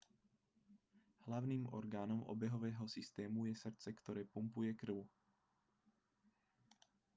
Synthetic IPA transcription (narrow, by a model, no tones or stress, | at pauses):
hlavniːmʔo̰ɾɡaːnomʔo̰bɛɦovɛːɦosist̪ɛːmujɛsr̩t͡sɛkt̪oɾɛːpumpujɛkr̩w